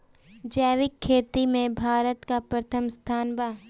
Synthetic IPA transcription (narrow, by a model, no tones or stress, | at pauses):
d͡ʒɛːʋɪkʰːeːt̪imẽbʱaːɾət̪kapɾət̪ʰəmst̪ʰaːnbaː